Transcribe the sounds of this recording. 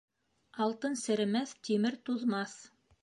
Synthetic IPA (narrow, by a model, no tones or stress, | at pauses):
ɑlˠt̪ɤnsɘ̆ɾɘ̆mæθt̪imɘɾt̪uðmɑθ